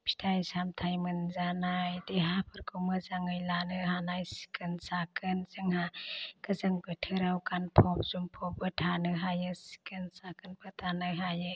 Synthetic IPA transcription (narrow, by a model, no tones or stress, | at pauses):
pʰi̥tʰajsamtʰajmɯnzanajdeɦapʰɯɾkʰumɯzaŋɯjlanɯɦanajsi̥kʰɯnsakʰɯnzɯŋhakəzɯŋbɯtʰɯɾawkanpʰɔp̚z̥umpʰɔp̚ɯtʰanɯɦajɯsi̥kɯnsakɯnpətanɯɦajɯ